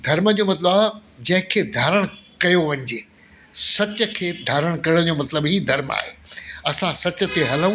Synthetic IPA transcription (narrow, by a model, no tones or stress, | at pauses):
d̪ʱɐɾmə̆d͡ʑomɐt̪̬ləbaːd͡ʑɐ̃ɦɪ̃kʰeːd̪ʱaːɾəɽ̃kɐjoʋɐ̃ɲ̆d͡ʑeː | sɐt͡ɕə̆kʰeːd̪ʱaːɾəɽ̃kɐɾɽ̃d͡ʑoːmɐt̪ləbɦiːd̪ʱɐɾma̰ːɦeːɐsãsɐt͡ɕə̆t̪eɦɐlũ